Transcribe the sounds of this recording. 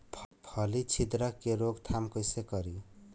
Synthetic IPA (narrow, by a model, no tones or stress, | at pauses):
pʰpʰʌlit͡ʃʰid̪ɾʌkːeɾoɡt̪ʰamkʌjsekʌɾi